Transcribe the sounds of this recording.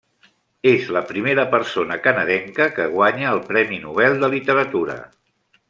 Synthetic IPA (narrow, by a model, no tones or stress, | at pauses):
ezləpɾimeɾəpəɾsonəkənəðɛŋkəkəɣ̞waɲəːlˠpɾɛminuβ̞ɛlˠd̪əlit̪əɾət̪uɾə̰